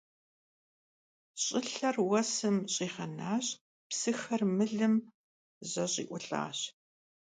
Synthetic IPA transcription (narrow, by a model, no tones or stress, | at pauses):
ɕʼɪɬɐrwɐsɨmɕʼiːχɐnaːɕ | psɨxɐrmɨɮɨm | ʑɐɕʼḭːʔʷʊɬʼa̰ːɕ